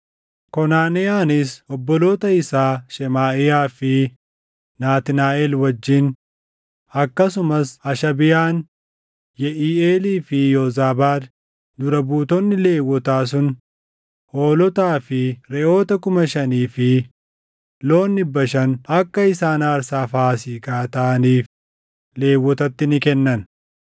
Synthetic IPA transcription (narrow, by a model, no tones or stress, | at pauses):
kɔnaːnɛaːnɪsɔbːɔlo̞ːt̪ɐɪsaːʃɛmaːʔɪjaːfɪ | naːt̪ɪnaːʔɛlwɐd͡ʒːɪn | ɐkːɐsʊmɐsɐʃɐbɪjaːn | jɛʔiːeːliːfɪjoːzaːbaːd̪ | d̪ʊɾɐbuːt̪ɔnːɪle̞ːwːɔt̪aːs̬ʊn | hoːlɔt̪aːfɪɾɛʔo̞ːt̪ɐkʊmɐʃɐniːfɪ | lo̞ːnːɪbɐʃɐnɐkːɐɪsaːnaːɾsaːfaːsiːkaːt̪ɐɐniːf | le̞ːwːɔt̪ɐt̪ːɪnɪkɛnːɐn